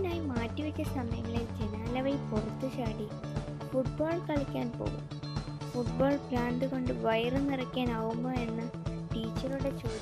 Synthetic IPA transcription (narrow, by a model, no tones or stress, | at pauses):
inaːjimaːtːiʋɐt͡ɕʲːɐsɐmɐjɐŋːɐɭed͡ʑe̞naːlɐʋɐjporɐt̪ːut͡ɕaːɽi | fuʈ̚boːɭkɐɭɐkʲːaːnpo̰ːɣṵm | fuʈ̚boːɭplaːɳd̪ɨko̞ɳɖɨʋɐjɐrɨnirɐkʲːaːnaːɣumːoːe̞nːɐʈiːt͡ɕːɐruɽe̞t͡ɕoː